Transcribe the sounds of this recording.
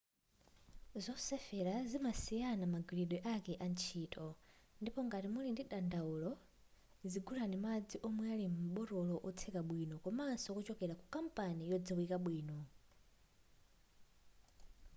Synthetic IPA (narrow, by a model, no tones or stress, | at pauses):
zɔsɛfɛɾazimasianamaɡiliɗɛʔakɛʔant͡ʃʰiːtʼʰɔndipɔŋɡatimulindiɗandaulɔ | ziɡulanimad͡ziʔɔmwɛalimm̩ɓɔɾɔlɔʔɔt͡sʰɛkaɓwinɔkɔmansɔkut͡ʃɔkɛɾakukam̩panijɔd͡zawikaɓwiːnɔ